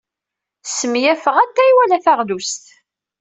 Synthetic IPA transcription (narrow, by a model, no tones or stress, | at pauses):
səmjæfəʁæt̪ːæjwælæθaʁðust̪